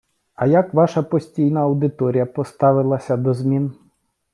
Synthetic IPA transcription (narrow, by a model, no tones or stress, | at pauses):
ɐjakʋaʃɐpɔsʲtʲijnɐːwd̪ɪt̪ɔɾʲijɐpɔst̪ɑʋɪlˠɐsʲɐd̪ɔzmʲin